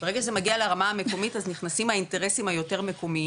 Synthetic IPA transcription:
b̥eeɡaʃzemaɡialeaʁamaame̞ko̞mitazniχnasimhainte̞ʁesimhajo̞te̞ʁmeko̞mi

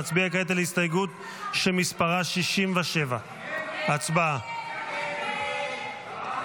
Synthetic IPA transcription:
at͡sbiakaet̪alistajɡut̪ | ʃemispaʁaʃiʃimveʃe̞va | at͡sbaa

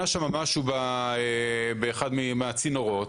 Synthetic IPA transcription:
aʃamamaʃubaebeːχad̪mimeat͡sino̞ʁo̞t

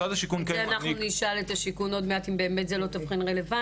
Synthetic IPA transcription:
adaʃikunkeanaχnuniʃaletaʃikuno̞dmeatimbe̞ːme̞t̪zelo̞tafχinʁeleva

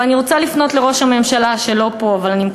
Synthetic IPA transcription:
aniʁot͡salifno̞tleʁo̞ʃame̞mʃalaʃe̞lo̞po̞avalanimk

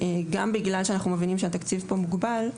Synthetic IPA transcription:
eɡambiɡlalʃeanaχnumevinimʃ̬eat̪akt͡sivpomuɡbal

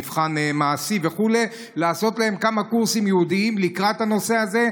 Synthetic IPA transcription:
vχanemaːsive̞χule̞ | laːso̞t̪lahe̞mkamakuʁsimjehud̪iimlikʁat̪hano̞se̞aze̞

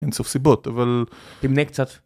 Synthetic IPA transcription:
ensofsibot̪avalt̪imnekt͡sat̪

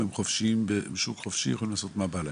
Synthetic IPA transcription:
hemχofʃimbebeʃukχofʃijexolimlaːsot̪mabala

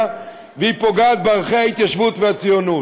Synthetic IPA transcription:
vehipoɡaːt̪̚baʁχeait̪jaʃvut̪veat͡sijonu

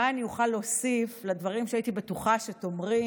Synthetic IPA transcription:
aanijuχalːosifladvaʁimʃeaitibetuχaʃeto̞mʁi

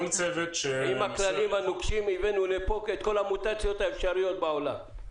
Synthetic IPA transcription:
lt͡sevet̪ʃeimaklalimanokʃimivenulepo̞ket̪ko̞lamut̪at͡sjo̞t̪aefʃaʁijo̞t̪̚baola̰m

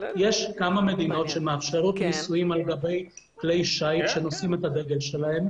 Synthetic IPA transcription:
je̞ʃkamame̞d̪ino̞tʃe̞meafʃeʁut̪nisujimalɡabe̞jkle̞jʃajtʃe̞nosime̞t̪ad̪e̞ɡe̞lʃe̞lahe̞m

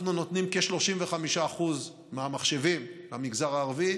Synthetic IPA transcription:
nuno̞t̪nimkeʃlo̞ʃimveχamiʃaːχuz | meamaχʃe̞vimlamiɡzaʁaːʁvi

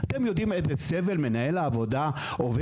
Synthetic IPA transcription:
at̪e̞mjo̞d̪imezeseve̞lme̞nae̞laːvo̞da | ove

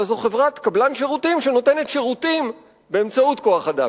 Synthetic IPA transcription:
zoχevʁat̪kablanʃeʁutimʃeno̞te̞ne̞tʃeʁutim | be̞ːmt͡sautko̞aχad̪a̰

